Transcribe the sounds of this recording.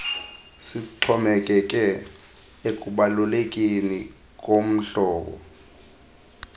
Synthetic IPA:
sitʰɔmɛkʼɛkʼɛ | ekʼuɓalulekʼini | kʼom̩ɬɔːɓɔ̰

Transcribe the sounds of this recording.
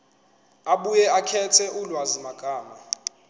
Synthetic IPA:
aɓujɛakʰɛtʰɛʔulwazimaɡ̥ʱaːma

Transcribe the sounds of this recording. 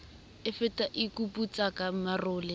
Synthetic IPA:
ɪfɪtʼaʔikupʼut͡sʼakʼamarʊːlɪ

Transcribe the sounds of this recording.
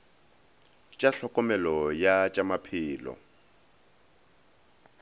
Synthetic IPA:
t͡ʃʼaɬɔkʼɔmɛlɔjat͡ʃʼamapʰɪːlɔ̰

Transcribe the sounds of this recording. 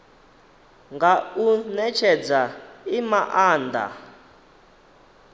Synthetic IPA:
ŋɡaunɛt͡ʃʰɛd͡zaimaʔaːnd̪a̰

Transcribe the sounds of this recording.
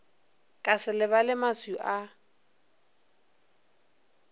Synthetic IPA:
kʼasɪlɪβalɪmasuʔa

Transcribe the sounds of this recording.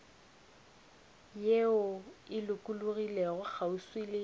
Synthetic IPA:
jeʊɪlʊkʼulʊɣileɣʊk͡xʰauswilɪ

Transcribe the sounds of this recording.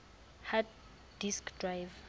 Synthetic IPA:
hat | diskdrajv

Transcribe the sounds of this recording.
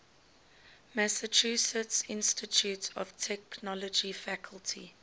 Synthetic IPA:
mæsət͡ʃʰusətsɪ̃nstit͡ʃʰutʰɔv̥tʰɛknɔlɔd͡ʒifækʰəlˠtʰḭ

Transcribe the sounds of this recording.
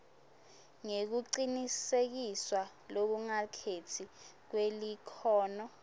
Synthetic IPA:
ŋek̬uǀinisek̬iswa | lok̬uŋakʰetʰik̬welikʰɔːnɔ

